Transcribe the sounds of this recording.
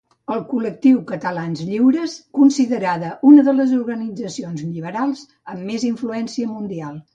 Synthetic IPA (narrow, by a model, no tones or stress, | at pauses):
əlˠkulək̚t̪iwkət̪əlanzʎiwɾəskunsiðəɾaðəʔunəðələzuɾɣənid͡zəsionzʎiβəɾalˠz | əmːeziɱfluɛnsiəmund̪ialˠ